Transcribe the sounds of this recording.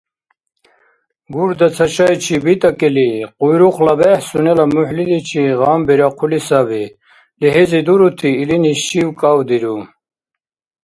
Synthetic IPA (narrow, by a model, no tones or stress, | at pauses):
ɡuɾd̪at͡sʰɐɕajt͡ɕʰibit̪akeliqujɾuχlabehsunelamuħlilit͡ɕʰiʁaːmbiɾaqʰulisabi | liɦezid̪uɾut̪ʰiːliniɕiwkawd̪iɾu